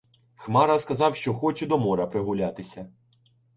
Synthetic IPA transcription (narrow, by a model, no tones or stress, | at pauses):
xmɑɾɐskɐzɑwʃt͡ʃɔxɔt͡ʃɛd̪ɔmɔɾɐpɾɪɦʊlʲat̪ɪsʲɐ